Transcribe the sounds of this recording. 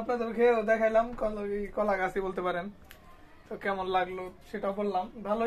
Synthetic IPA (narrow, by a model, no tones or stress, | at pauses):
apnad̪eɾkʰeɾod̪ɛkʰajlamkɔejkɔlaɡasibolt̪epaɾen | t̪okɛmonlaɡloʃeʈaobolːambʱalo